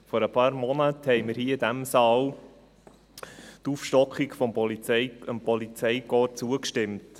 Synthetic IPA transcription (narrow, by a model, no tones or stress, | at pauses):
fɔɾəpʰɑːɾmɔnəthɛɪməɾhiːɪd̥æmsɑːl | tufʃtɔkχikfɔmpɔlt͡səmpɔlit͡sɛjkɔːt͡suəkʃtɪmt